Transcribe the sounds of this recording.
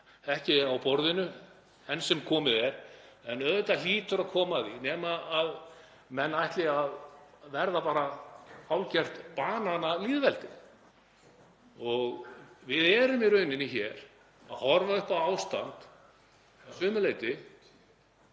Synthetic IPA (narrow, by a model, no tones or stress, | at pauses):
ɛhcɪawpɔɾðɪnʏ | hɛnːsɛmkʰɔːmɪðɛɾɛnœðʏt̪aliːt̪ʏɾaðkʰɔːmaðinɛːmaːð | mɛnːajht̪lɪaðvɛɾðapaːɾaawlcɛr̥t̪paːnanaliːðvɛlt̪ɪ | ɔɣvɪðɛːɾʏmiɾœɥnɪnɪçɛɾ̥ | aðhɔɾvaʏhpawawst̪ant̪ | sʏːmʏleːjt̪ɪ